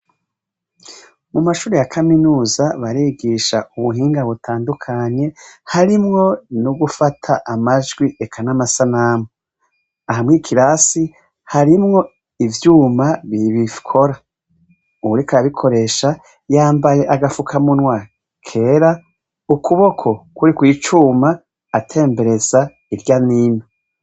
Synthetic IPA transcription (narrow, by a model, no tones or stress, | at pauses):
mumaʃuːɾejakʰaminuːzaβaɾiːɡiʃauβuɦiːŋɡaβutʰaːndukʰaɲe̞haɾimŋo̞nuɡufatʰaʔamaʒɡwiekʰanamasanamo | ahamŋiːkʰiɾasi | haɾimŋo̞ | ivjuːmaβiβifkʰo̞ɾa | uɾikaɾaβikʰo̞ɾe̞ʃa | jaːmbaje̞ʔaɡafukʰamunwaːɾi | kʰe̞ːɾa | ukʰuβo̞kʰo̞kuɾikwiːt͡ʃuːmaː | tʰe̞ːmbe̞ɾe̞za | iɾɟanino